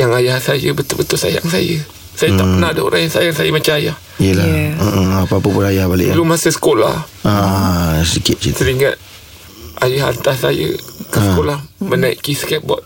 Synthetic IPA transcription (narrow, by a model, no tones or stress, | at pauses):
jaŋajahsajəbət̪ʊlbət̪ʊlsaja̰ŋsajə | sajət̪aʔpənadao̰ɾʔajansajaŋsajəmat͡ʃamajah | ijəlaəʔapapəpʊnajahbalɪ̰ʔlumasəsə̥kola̰hasədikɪt̪̚isəɾiŋat̪̚ | ajaɦa̰nt̪asajə̰kəsəkolahmənaiʔkisəkɛp̚bɔ̰t̪̚